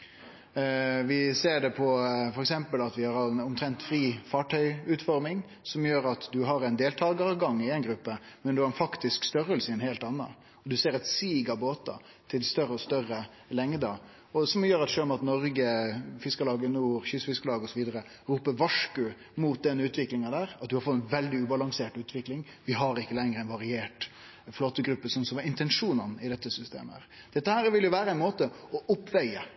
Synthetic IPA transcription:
ʋɪseːɖɛpʰɔfɔɾɛksɛmpəlɑt̪ʋɪhɑɾɛnɔmt̪ʰɾɛnt̪fɾiːfɑːʈʰœʏʉːt̪fɔɾmɪŋ | sɔmjøːɾɑt̪d̪ʉɦɑɾɛnd̪eːlt̪ʰɑːɡəɾɡɑŋːɪɛɪnɡɾʉpːəmɛnd̪ʉhɑɾɛnfɑkt̪ɪskst̪œɾəlsəɛnheːlt̪ɑnːɑ̰ | ɔd̪ʉseːɾɛt̪siːɡɑboːt̪ɑ̰ | t̪ʰɪlst̪œɾəɔst̪œɾə | lɛŋd̪ə | ɔsɔmjøːɾɑt̪ʃøːlɔmɑt̪nɔɾɡəfɪskəlɑːɡənuːɾɕʏsfɪskəlɑːɡɔsɔʋiːd̪əɾə | ɾuːpəʋɑʂkʉ | muːt̪̚d̪ɛnːəʉːt̪ʋɪklɪŋɑd̪æːɾɑt̪̚d̪ʉhɑɾfɔt̪ːɛnʋɛld̪ɪʉːbɑlɑŋseːʈʉːt̪ʰʋɪklɪŋ | ʋɪɦɑɾɪkːəlɛŋɾəɛnʋɑɾɪeːʈ | floːt̪ːəɡɾʉpːəsɔnsɔmɑɪnt̪ɛnʂuːnənɪd̪ɛt̪ːəsʏst̪ḛːməæ̰ːɾ | d̪̥ɛt̪ːəhæːɾʋɪljʊʋæːɾəæɪnmoːt̪əɔʔʊpːʋɛɪə

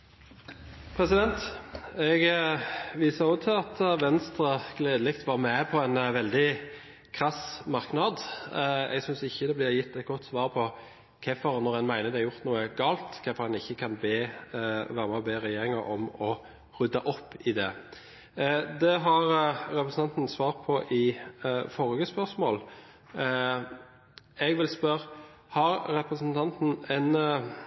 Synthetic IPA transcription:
pʰɾɛsɪd̪ɛnt̪ɛɡ | ʋiːsəɾɔt̪ʰɪɑt̪ʋɛnst̪ɾəɡ̥leːd̪əlɪkt̪ʰʋɑʁmɛpʰɔɛnʋɛld̪ɪ | kʰʁɑsmɑʁknɑd̪ | ɛ̰ɡsʏnsɪçːəd̪ɛblɪːʁjɪt̪ːɛt̪̚ɡɔt̪ːsʋɑːʁpʰɔ | kʰɛfɔɾnɔɾʁɛnmæɪnəd̪ɛɪɾʁjʊʁt̪nuːəɡɑːlt̪kʰɛfɔɾhɑnɪçːəkʰɑnbeːʋæːɾəmɛɔbeːɾɛjeːɾɪŋɑɾʔɔmɔ | ʁʉd̪ɑʔɔpːɪd̪ɛ | d̪ɛɦɑɾɾɛpɾəsn̩ʰɑnt̪n̩sʋɑːɾpʰɔʔɪfɔʁɡəspœʁsmoːl | ɛɡʋɪlspœɾ | hɑɾɾɛpɾəsənt̪ʰɑnt̪n̩ɛn

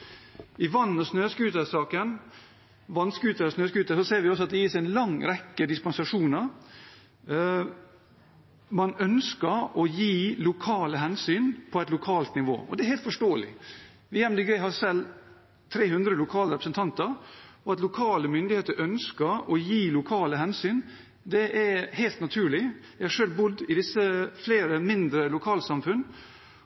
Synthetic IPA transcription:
ɪʋɑnːɔsnøːskʉːt̪əsɑːkən | ʋɑnskʉːt̪əɾɔsnøːskʉːt̪əsɔseːɾʋɪɔs̬ɔɑt̪̚d̪ɛjiːsɛɪɛnlɑŋːɾɛkːəd̪ɪspɑnsɑʂuːnəɾ | mɑnœnskəɾɔjiːlʊkʰɑːləɦɛnsyːnpʰɔɛt̪lʊkʰɑːlt̪nɪʋo̰ːɔ̰d̪ɛæɾhɛɪlt̪fɔʂʈoːəlɪ̰ | ʋɪjɛmd̪ɪɡɾɛɪɦɑsɛlː | t̪ʰɾeːhʉnd̪ɾəlʊkʰɑːləɾɛpɾəsənt̪ʰɑnt̪əɾɔɑt̪lʊkʰɑːləmʏnd̪ɪheːt̪əɾʔœnskəɾɔjiːlʊkʰɑːləɦɛnsyːn | d̪ɛʔæhæɪlt̪nɑt̪ʰʉːɭɪʋæɪhɑʂøːlbʊd̪ːɪd̪ɪsːəfleːɾəmɪnd̪ɾəlʊkʰɑːlsɑmfʉn

